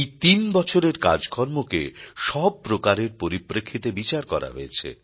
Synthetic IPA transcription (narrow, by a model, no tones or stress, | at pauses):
jt̪inbɔt͡ɕʰoɾeɾka̰d͡ʑɡʰʱɔɾmokḛʃɔb̚pɾokaɾeɾpoɾipɾekʰːit̪ebit͡ɕaɾkɔɾa̰ɦoet͡ɕʰḛ